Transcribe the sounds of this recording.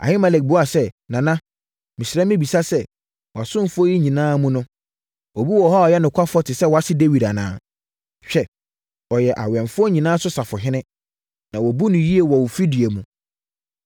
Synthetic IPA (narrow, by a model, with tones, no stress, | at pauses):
a̰˨hɪ˦mɛ˨lɛ˨k̚bʊ˦a˨sɛ˦nã˨nã˦ | mɪ̃˨sɪ˨ɾɛ̃˦mɪ̃˦bi˨sa˦sɛ˦ | wɔ˨a˨sʊ̃˦m˨fʊ˦ɔ˦ji˦ɲĩ˨nãː˦mũ˦nʊ̃˦ | ɔ˨bi˦wɔ˨hɔ˦ɔ˨jɛ˦nʊ̃˨kʷʰa˦fɔ˦tʰɪ˨sɛ˦wɔ˨a˦sɪ˦de˦wi˨da˨nã̰ː˦ | ɕᶣɛ˨ | ɔ˨jɛ˨ʔa̰˨ɥɛ̃˨ɱfʊ˦ɔ˦ɲĩ˨nãː˦sʊ˦sa˨fʊ˨ɦɪ̃˦nɪ̃˦ | nã˨wɔ˨bu˦nʊ̃˨ji˦e˨wɔ˨wʊ˨fi˦di˨e˨mũ˨